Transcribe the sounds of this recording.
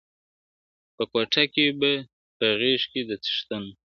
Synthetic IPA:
pəkwaʈ͡ʂakeba | pəɣeʃked̪ət͡s̪ə̥ʃt̪ən

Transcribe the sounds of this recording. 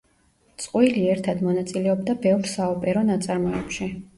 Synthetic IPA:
t̪sʼqʼwiliɛɾt̪ʰad̪mɔnat̪sʼilɛɔbd̪abɛvɾsaɔpʼɛɾɔnat̪sʼaɾmɔɛpʃi

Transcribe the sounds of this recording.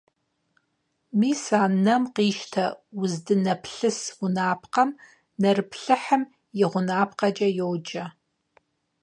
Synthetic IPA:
miːsaːnɐmqiːʃtʰɐwʊzdɨnɐpʰɬɨswʊnaːpʰqɐm | nɐrɨpʰɬɨħəm | jɪʁʷʊnaːpʰqɐd͡ʒʼɐjowd͡ʒʼɐ

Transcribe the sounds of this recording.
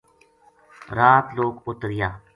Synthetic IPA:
ɾaːt̪loːɡʊt̪ɾɪjaː

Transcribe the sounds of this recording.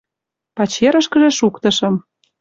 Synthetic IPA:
pɑt͡ɕeɾə̆ʃkə̆ʒĕʃukt̪ɤ̆ʃɤ̆m

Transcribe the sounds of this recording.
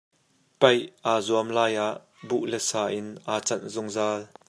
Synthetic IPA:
pɐjʔaːzuəmlaːjʔaʔ | buʔlɛsaːʔɪnʔaːt͡sɐnzʊŋzaːl

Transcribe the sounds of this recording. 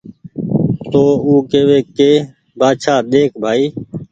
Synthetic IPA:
t̪oːuːkeːʋeːkeː | baːʃʰaːɗ̪eːkʰbʱaːiː

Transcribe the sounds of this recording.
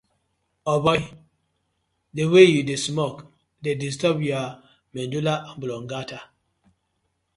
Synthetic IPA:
ɔbɔj | dewejudesmɔk | dedis̬tɔbja | mɛ̃ndulaʔamblɔŋɡata

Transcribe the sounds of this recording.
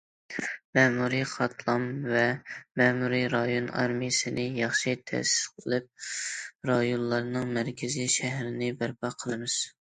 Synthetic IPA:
mɛmuɾiχɑt̪ʰlˠɑmvɛmɛmuɾiɾɑjonɑ̰ɾmijɪsɨnɪjɑχʃit̪ʰæ̰sɪ̥sqʰəlˠɨp̚ | ɾɑjonlˠɑɾnɨŋmæɾkʲʰɪziʃæɦɾɪnɪbæɾpʰɑqʰəlˠɨmɨz̥

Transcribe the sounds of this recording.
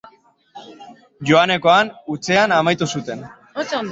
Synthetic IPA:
ʝo̞ane̞ko̞anut͡se̞anamajt̪usut̪e̞n

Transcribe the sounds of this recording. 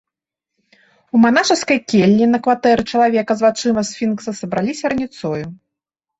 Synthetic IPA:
umanaʂɐskɐjkʲelʲːinɐkvat̪ɛɾɨt͡ʂɐlˠavʲɛkɐzvat͡ʂɨmɐsfʲinksɐsɐbɾalʲisʲɐɾɐnʲit̪sɔju

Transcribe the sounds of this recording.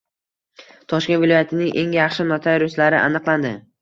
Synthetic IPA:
t̪ʰɒʃkʲe̞nvɪlɒjat̪ʰɪnɪŋʔe̞ŋjɑχʃɪnɒt̪ʰajɾʊslaɾɪ̰ʔa̰nɨqlˠand̪ɪ

